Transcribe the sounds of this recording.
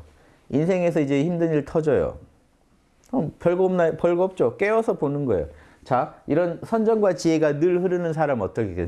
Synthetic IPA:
insʰe̞ŋe̞s̬ʰʌid͡ʑe̞çimdɯɲiɭtʰʌd͡ʑʌjo̰ | ʌmpjʌɭɡʌmnapjʌɭɡoʌp̚t͡ɕ͈ok͈eʌsʰʌponɯnɡʌḛjo̰ | t͡ɕaiɾʌnsʰʌnd͡ʑʌnɡwat͡ɕie̞ɡanɯɭhɯɾɯnɯns̬ʰaɾamʌt͈ʌkʰeke

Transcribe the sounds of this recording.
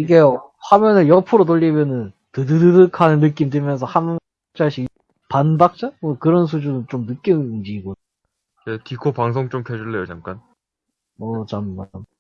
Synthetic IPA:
iɡe̞ | hamjʌnɯnjʌpʰɯɾotoʎːimjʌnɯn | tɯdɯdɯdɯkʰanɯnːɯk̬͈imdɯmjʌns̬ʰʌham̚ | t͡ɕ͈aɕʰi | panbak̚t͡ɕ͈amʌkɯɾʌns̬ʰud͡ʑunɯt͡ɕomnɯk͈jind͡ʑiːɡo | t͡ɕetikʰopaŋs̬ʰoŋt͡ɕ͈omtʰed͡ʑuɭːejot͡ɕʰaŋk͈an | ʌt͡ɕamːam

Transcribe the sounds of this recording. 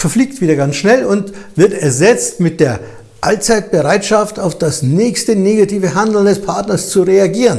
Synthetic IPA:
fɛɐfliːktv̥iːdɐɡansʃnɛlʊnt | v̥ɪɐtɛɐzɛt͡stmɪt̚d̥eːɐ | ʔalt͡saɪt̚b̥əʁaɪtʃaftaʊfd̥asnɛːçstəneːɡatiːvəɦandl̩ndɛspʰaɐtnɐst͡suʁeaɡiːʁən

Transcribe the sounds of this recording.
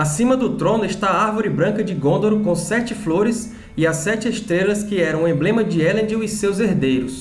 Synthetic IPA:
asĩmɐd̪ʊt̪ɾõnʊeʃt̪aaɾvoɾɪbɾɐ̃ŋkɐd͡ʒɪɡõnd̪oɾʊkõsɛt͡ʃɪfloɾɪs | ɪasɛt͡ʃɪeʃt̪ɾelɐskɪɛɾɐ̃w̃ẽmblẽmɐd͡ʒɪɛlẽd͡ʒiwɪsewzeɾd̪ejɾʊs

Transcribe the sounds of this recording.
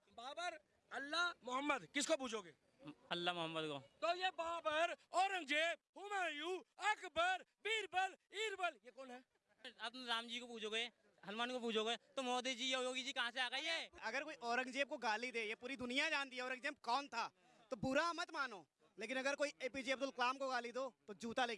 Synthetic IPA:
baːbəɾ | ɐlːamʊɦəmːəd̪kɪskobuːd͡ʒʱoːɡeː | ɐlːamʊɦəmːəd̪koːt̪ojebaːbəɾɔːɾə̃ŋɡd͡ʒeːb̚hʊmaːjuːɐkbəɾbiːɾbəliːɾbəljekɔːnɦɛː | ɐpnɾaːmd͡ʒiːkopuːd͡ʒoɡoe | ɦɐlmaːnkopuːd͡ʒoɡoet̪omɔːd̪ed͡ʒiːjeojoːɡid͡ʒiːkɐɦãseaːɡəiɦɛːɐɡəɾkoːiʔɔːɾə̃ŋɡd͡ʒeːb̚koɡaːlid̪eːjepuːɾid̪ʊnɪijad͡ʒaːnt̪iɔːɾə̃ŋɡd͡ʒẽːmp̚kɔːnt̪ʰaː | t̪obʊɾamət̪maːnoː | leːk̬ɪnɐɡəɾkoːieːpid͡ʒiːɐbd̪ʊlklaːmkoɡaːlid̪oːt̪od͡ʒuːt̪aleːkː

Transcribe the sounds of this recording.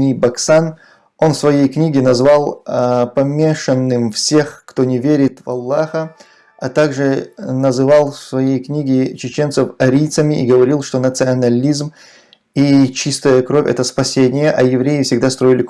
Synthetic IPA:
nʲibɐksan | o̞nsvɐjejknʲiɡʲɪnɐzvalˠpɐmʲeʂənːɨmfsʲe̞xkt̪o̞nʲɪvʲeɾʲɪt̪vɐlˠːaxə | ɐt̪aɡʐɨnɐzɨvalˠsvɐjejknʲiɡʲɪt͡ɕɪt͡ɕe̞nt̪səfɐɾʲijt̪səmʲɪʔiɡəvɐɾʲilˠʂt̪o̞nət̪sɨɐnɐlʲizm | it͡ɕist̪əjəkɾo̞vʲɛ̰t̪əspɐsʲenʲɪjəʔɐjɪvɾʲejɪfsʲɪɡd̪ast̪ɾo̞ɪlʲɪ

